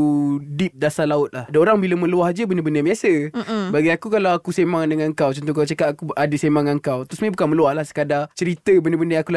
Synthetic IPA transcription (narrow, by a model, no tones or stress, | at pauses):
udip̚dasalaʊt̪̚lahadaoɾaŋbiləmə̃luahd͡ʒəbənəbəndəmiasəbaɡiakukalawakusemaŋdəŋaŋkawt͡ʃɔnt̪̬ukaawt͡ʃəkat̪̚akuadəsemaŋaŋkawt̪ɾʊsmabukanmə̃luahlahsə̥kadat͡ʃəɾit̪əbənəbəndəakula